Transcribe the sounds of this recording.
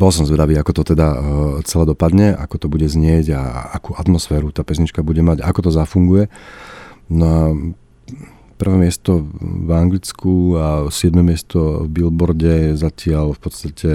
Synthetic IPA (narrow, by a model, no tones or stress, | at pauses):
bɔls̬ɔmzʋɛd̪aʋiːakɔt̪ɔt̪ɛd̪at͡sɛlad̪ɔpad̪ɲɛa̰kɔt̪ɔbuɟɛzɲɪɛɟa̰akuːat̪mɔsfɛːɾut̪aːpɛzɲit͡ʃkabuɟɛmaɟaakɔt̪ɔzafuŋɡujɛ | nɔa | pr̩ʋɛmɪɛst̪ɔvaŋɡlit͡skʰuasɪɛd̪mɛmɪɛst̪ɔvbilbɔɾɟɛzacɪalfpɔt̪st̪acʰɛ